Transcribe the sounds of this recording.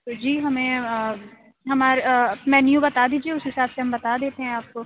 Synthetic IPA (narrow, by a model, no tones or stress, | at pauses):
d͡ʒiːɦɐmẽə | ɦɐmaːɾmɛ̃ːnjũbɐt̪aːd̪iːd͡ʒieːʊsɦɪsaːbseɦɐmbɐt̪aːd̪eːt̪eɦɛ̃aːp̚ko